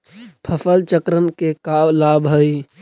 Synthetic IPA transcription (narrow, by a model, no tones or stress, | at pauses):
pʰəfəlt͡ʃəkɾənkekawlabɦəj